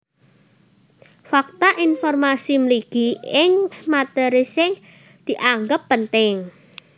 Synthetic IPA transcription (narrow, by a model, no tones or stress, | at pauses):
fak̚t̪aʔinfɔrmasimliɡ̥iɪŋmat̪əɾisɪŋ | d̪̥i̤ʔaŋɡəpːənt̪ɪŋ